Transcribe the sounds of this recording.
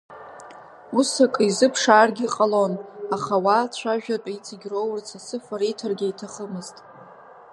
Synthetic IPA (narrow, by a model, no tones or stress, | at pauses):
usakʼizɨpʰʂaːrɡʲiqʼalo̞naχawat͡ɕt͡ʃʷʰaʒᶣatʼait͡sʰiɡʲrowrt͡sʰasɨfaɾijtʰarɡʲaitʰaχəmɨztʼ